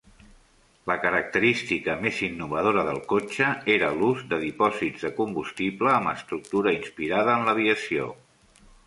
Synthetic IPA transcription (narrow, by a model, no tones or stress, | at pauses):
ləkəɾək̚t̪əɾist̪ikəmezinːuβ̞əð̞oɾəðəlˠkot͡ʃəeɾəluzd̪əðipɔzidzðəkumbust̪iβləːməst̪ɾuk̚t̪uɾəinspiɾaðəːnləβiəsio